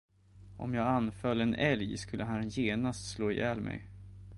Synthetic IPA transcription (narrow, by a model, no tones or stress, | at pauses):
ʔɔ̰mjɑːɡanfœlːɛnɛljskɵlːəɦanjeːnast̪sloːɪ̰jɛːlmʔɛ̰j